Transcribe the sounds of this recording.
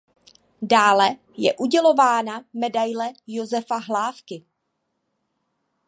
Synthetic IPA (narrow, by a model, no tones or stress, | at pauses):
daːlɛ | jɛʔuɟɛlo̞vaːnamɛdajlɛjozɛfaɦlaːfkɪ